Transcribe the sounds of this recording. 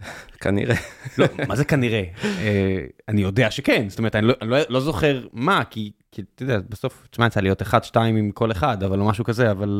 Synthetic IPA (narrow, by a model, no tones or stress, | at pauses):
kʰa̰nḭʁelomazekaniʁeeanijo̞d̪e̞aʃekenzstomet̪aniloʔanilolo̞zo̞χe̞ʁmakikʰit̪ed̪eabeso̞ft͡ʃmant͡salijo̞teχad̪ʃtaimimko̞leχad̪avalomaʃukazeaval